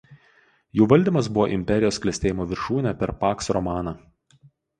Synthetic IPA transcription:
juːʋɐlʲd̪ʲiːˑmɐs̬bʊʋoːʔɪmʲpʲɛɾʲɪjoːsklʲɛsʲt̪ʲeːjɪmoːʋʲɪɾʃuːnʲɛpʲɛɾpɑːksɾɔmɑːnɑː

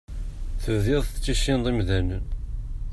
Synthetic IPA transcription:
θəvðɪðˤət͡sːiʃind̪ˤimðænə̰n

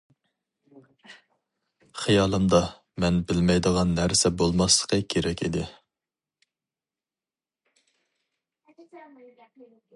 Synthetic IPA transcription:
χijɑːlˠɨmd̪ɑ | mɛnbɪlmɛjd̪əʁɑnːæɾsɛbolˠmɑslˠə̥qʰəkʲʰeɾɛkʲid̪ɪ

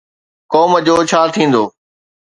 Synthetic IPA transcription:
kɔːməd͡ʑoːt͡ɕʰaːt̪ʰĩːnd̪oː

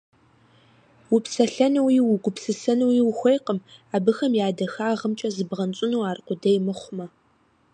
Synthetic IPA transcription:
wʊpsɐɬɐnɨwiːwʊɡʷʊpsɨsɐnɨwiwʊxʷejqəmaːbɨxɐmjaːdɐxaːʁəmt͡ʃʼɐzɨbʁɐnt͡ʃʼɪnuwaːrqʷʊdɐjmɨχʷʊmɐ

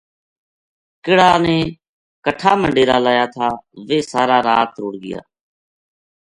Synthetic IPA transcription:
kɪɽaːnẽː | kəʈʰaːməɳɖeːɾaːlaːjaːt̪ʰaːʋeːsaːɾaːɾaːt̪ɾoːɽɡɪ̰ja̰ː

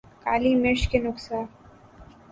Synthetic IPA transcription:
kaːlimɪɾʃkenʊksaːɾ

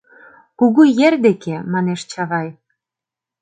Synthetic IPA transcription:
kuɣujerd̪ekemɑneʃt͡ɕɑβɑj

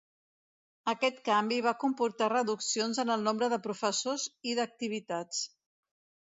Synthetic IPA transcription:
əkɛt̪kambiβ̞akumpuɾt̪arəðuksionzənəlˠnombɾəðəpɾufəsoziðək̚t̪iβit̪at͡s

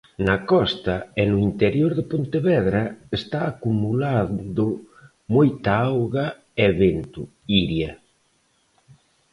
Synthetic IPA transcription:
nɐkɔst̪ɐɛnʊint̪eɾjoɾðepont̪eβɛðɾɐest̪aːkumulaðʊ | mojt̪aawɣa | ɛβent̪ʊ̰ | iɾjɐ

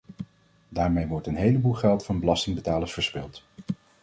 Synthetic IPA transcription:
daːɹmejʋɔɹtənɦejləbulˠχɛlˠtfɑnbəlɑstɪŋbətaːləsfəɹspɪlˠt

